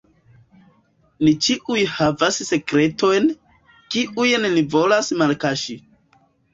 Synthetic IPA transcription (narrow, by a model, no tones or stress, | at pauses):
nit͡ʃiʔujhavasse̞kɾe̞tʰo̞jn | kiʔujnlivo̞lasmalkaʃi